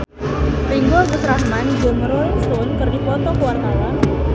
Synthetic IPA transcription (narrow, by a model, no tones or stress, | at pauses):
riŋɡoɡut̪ɾahmand͡ʒʊməɾolɪksʊnkərdipɔt̪ɔkəwart̪awa